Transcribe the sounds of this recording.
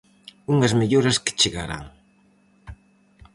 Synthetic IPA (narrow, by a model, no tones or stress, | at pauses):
uŋɐzmeʎoɾɐskɪ̥t͡ʃeɣaɾa̰ŋ